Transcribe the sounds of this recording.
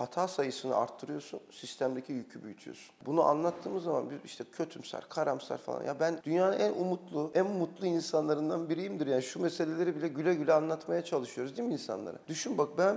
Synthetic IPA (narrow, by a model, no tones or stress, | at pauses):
hat̪ʰaːsajɯsɯnɯ̰a̰ɾt̪ʰːɯɾɯjo̞ɾsunsist̪ʰæmd̪ecʰijycʰybyjyt̪ʰyjo̰su̥nbunuʔa̰nlˠat̪ʰːɯːmɯzːama̰nbiziʃt̪ʰɛcʰøt̪ʰymsæ̰ɾkʰaɾamsæ̰ɾfa̰lˠa̰njabænd̪ynjaːnɯnænumut̪lˠuænmut̪lˠuinsanlˠaɾɯnd̪anbiɾijimd̪iɾjaːniʃumese̞lʲe̞lʲeɾibilʲɛɟylʲɛɟylʲɛanlˠat̪majat͡ʃʰalˠɯʃɯjo̞ɾuzd̪iminsa̰nlˠa̰ɾa̰d̪yʃynbak̚bæn